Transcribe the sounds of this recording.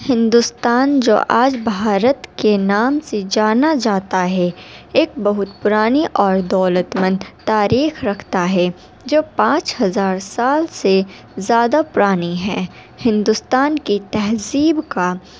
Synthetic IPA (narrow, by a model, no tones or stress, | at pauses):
hɪ̃nd̪ʊst̪aːnd͡ʒo̰ːʔaːd͡ʒbʱaːɾət̪kenaːmsed͡ʒaːnad͡ʒaːt̪aɦɛeːk̚bɐɦʊt̪pʊɾaːniʔɔːɾd̪ɔːlət̪mə̃nd̪t̪aːɾiːxɾɐkʰt̪aɦɛ | d͡ʒoːpãːt͡ʃhɐzaːɾsaːlse | zjaːd̪apʊɾaːniɦɛː | hɪ̃nd̪ʊst̪aːnkit̪ɛɦziːbka